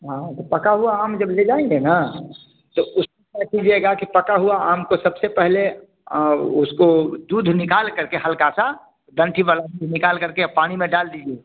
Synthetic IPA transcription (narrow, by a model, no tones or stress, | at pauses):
ɦãt̪opəkaɦuaaːmd͡ʒəbled͡ʒaːĩŋɡena | t̪oʊskenət̪iːd͡ʒɛɡakipəkaɦuaaːmkosəbsepɛɦle | ʊskod̪uːd̪ʱnɪkaːlkəɾkehəlkasa | d̪ə̃ɳʈʰibalad̪uːd̪ʱnɪkaːlkəɾkepaːɽ̃imẽɖaːld̪id͡ʒie